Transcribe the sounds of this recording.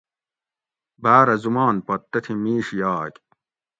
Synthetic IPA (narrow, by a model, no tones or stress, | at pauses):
baːɾɐzumaːnpɐt̪ːɐt̪ʰimiːʂijaːkʲ